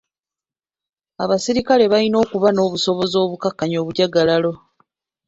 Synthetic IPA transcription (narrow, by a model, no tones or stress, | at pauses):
aβasiɾikale̞βaino̞ːkuβano̞ːβuso̞βo̞zo̞ːβukakːaɲo̞ːβuɟaɡalalo̞